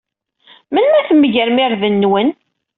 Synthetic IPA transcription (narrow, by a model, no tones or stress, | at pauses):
mənmæθəmːəʝəɾmɪɾðənːwən